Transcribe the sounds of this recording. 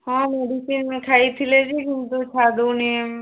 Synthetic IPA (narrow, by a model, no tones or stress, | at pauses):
hãːmeːɖisiːnmẽkʰaːit̪ʰiled͡ʒikɪnd̪ut͡ʃʰaːd̪unim